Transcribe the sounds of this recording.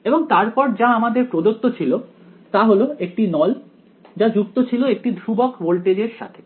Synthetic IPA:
eboŋt̪aɾpɔɾd͡ʑaamad̪eɾpɾod̪ot̪ːot͡ɕʰilo | t̪aɦoloekʈinɔl | d͡ʑad͡ʑukt̪ot͡ɕʰiloek̚ʈid̪ʱɾubokbolʈed͡ʑeɾʃa̰t̪ʰe̥

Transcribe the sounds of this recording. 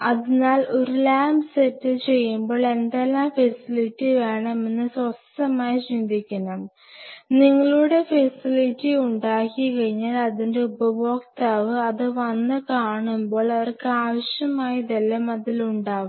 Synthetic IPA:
ɐðinaːlʔo̞ɾulaːmbsetːɨt͡ɕe̞jːumbo̞ːɭe̞nd̪elːaːmfesilitːiʋe̞ːɳɐme̞nːɨsɐst̪ɐmaːjiɕind̪ʱikʲːɐnɐm | niŋːɐɭuɽe̞fesilitːiuɳɖaːkːikɐɻiɲːaːlɐðinde̞ubɐʋo̞ːkt̪aːʋɨɐðɨʋɐnːɨkaːɳumbo̞ːɭɐʋɐrkɨaːʋɐɕjɐmaːjid̪ɐlːɐmɐðiluɳɖaːʋum

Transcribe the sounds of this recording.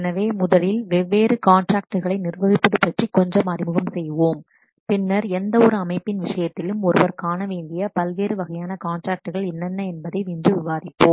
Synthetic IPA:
nɐʋeːmʊðɐlɪlʋɛʋeːɾɯkaːnʈraːk̚ʈɯɣɐɭɐɪnɪrʋɐɣɪpːɐðɯpːɐʈrikːɔɲd͡ʒɐmɐrɪmɯɣɐmsɛjːɯʋoːm | pɪnːɐɾɛnd̪ɐɔɾɯɐmɐɪpːɪnʋɪʂɐjɐt̪ːɪlɯmɔɾɯʋɐɾkaːnɐʋeːɳɖɪjɐpɐlʋeːɾɯʋɐɣɐjaːnɐkaːɳʈɾaːk̚ʈɯɣɐɭɪnːɐnːɐɛnbɐðɐɪʋɪndrɯʋɪʋaːðɪpːoː

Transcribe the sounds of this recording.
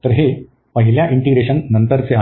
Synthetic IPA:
t̪ɐɾɦe | pɐɦiljaʔiɳʈiɡɾeɕɐnnɐnt̪əɾt͡sea

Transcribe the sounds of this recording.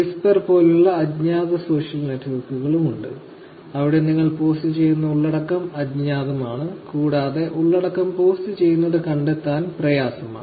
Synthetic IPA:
isperpo̞ːluɭːɐːdɲaːðɐso̞ːʂjɐlne̞tːʋɐrkːuɣɐɭumuɳɖɨ̰ | ɐʋiɽe̞niŋːɐɭpo̞ːstɨt͡ɕe̞jːunːɐuɭːɐɽɐkːɐmɐdɲaːðɐmaːɳɨkuːɽaːðe̞ʔuɭːɐɽɐkːɐmpo̞ːstɨt͡ɕe̞jːunːɐðɨkɐɳɖet̪ːaːnprɐjaːsɐma̰ɳ

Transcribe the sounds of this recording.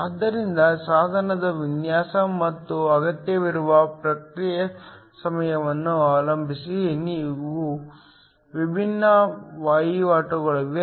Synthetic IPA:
ɐːd̪ːɐɾind̪ɐsaːd̪ʱɐnɐd̪ɐʋinjaːsɐmɐt̪ːuɐɡɐt̪jɐʋiɾuʋɐpɾɐkɾijɐsɐmɐjɐʋɐnːuaːlɐmbʱisiniːʋu | ʋibʱinːɐʋaːjiʋaːʈɐɡɐɭɐʋe

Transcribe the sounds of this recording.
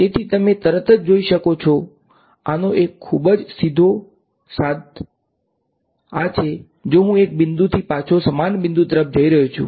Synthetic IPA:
et̪ʰit̪əmet̪əɾət̪əd͡ʒd͡ʒoiʃəkot͡ʃʰo | anoʔekʰːubəd͡ʒsid̪ʱo | sat̪ | at͡ʃʰe | d͡ʒoɦũek̚bɪnd̪ut̪ʰipat͡ʃʰosəmanbɪnd̪ut̪əɾəp̚d͡ʒəiɾəɦot͡ʃʰṵ̃

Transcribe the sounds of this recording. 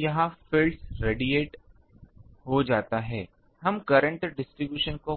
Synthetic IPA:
jɐɦãfɪlsɾeːɖieːʈ | ɦod͡ʒaːt̪aɦɛː | hɐmkɐɾə̃ɳʈɖɪsʈɾibjuːʃənko

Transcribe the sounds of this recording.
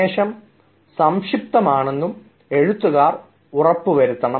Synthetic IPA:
eːʂɐm | sɐmʂip̚t̪ɐmaːɳe̞nːum | e̞ɻut̪ːuɣaːr | urɐpːuʋɐɾut̪ːɐɳɐ

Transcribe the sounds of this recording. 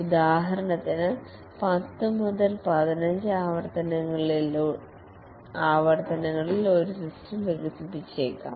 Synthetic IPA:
ud̪aːɦɐɾɐɳɐt̪ːinɨ | pɐt̪ːɨmuðɐlpɐd̪ɐnɐɲd͡ʑɨaːʋɐrt̪ɐnɐŋːɐɭi | aːʋɐrt̪ɐnɐŋːɐɭilo̞ɾusistɐmʋeɣusipːit͡ɕːeːkːa̰ːm

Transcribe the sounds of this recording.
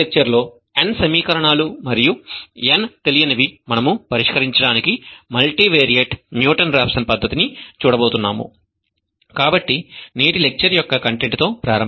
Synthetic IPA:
ek̚t͡ʃɐɾlo̞ː | ensɐmiːkɐɾɐɳaːlumɐɾijuent̪e̞lijɐnɐʋimɐnɐmupɐɾiʂkɐɾiɲt͡ʃɐɽaːnikimɐlʈiːʋeːɾijɐʈmjuːʈɐnɾaːpsɐnpɐd̪ʱːɐt̪init͡ʃuːɽɐbo̞ːt̪unːaːmṵ | kaːbɐʈːineːʈile̞k̚t͡ʃɐɾjɔkːɐkɐɳʈe̞ɳʈt̪o̞ːpɾaːɾɐ

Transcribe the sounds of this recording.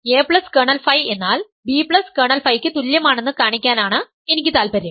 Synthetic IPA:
eːpɭɐskɐːɳɐlfɐje̞nːaːl | biːpɭɐskeːɳɐlfɐjkʲːɨt̪uljɐmaːɳe̞nːɨkaːɳikʲːaːnaːɳɨ | e̞nikʲːɨt̪aːlpɐɾum

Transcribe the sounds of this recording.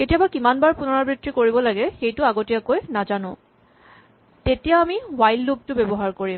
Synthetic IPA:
ketijabakimanbaɹpunɔɹabɹitɹikoɹibɔlaɡɛxejtʊaɡotijakojnazanʊ̰̃ | tetijaamiwajlːup̚tʊbebɔɦaɹkoɹim

